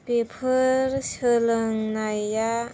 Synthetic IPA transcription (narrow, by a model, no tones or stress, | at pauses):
pepʰɯɾsɯlɯŋnajːa